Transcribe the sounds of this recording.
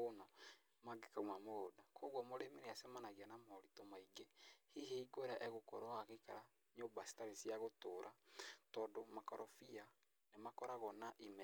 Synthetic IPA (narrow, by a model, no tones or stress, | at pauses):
onɔ | maɡekaumamodakʰoɣwɔmoɾemeneasɛmanaɣianamɔɾitomaiɡehiɦeiɡoeɾaʔɛɣokɔ̰ɾɔaɣeka̰ɾa | ɲombasi̥taɾesiaɣotoɾʔatɔːdomakɔɾɔfia | nemakɔɾaɣɔnaʔimɛ